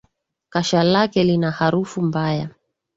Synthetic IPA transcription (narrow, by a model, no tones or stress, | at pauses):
kaʃalakɛlinahaɾufumbaja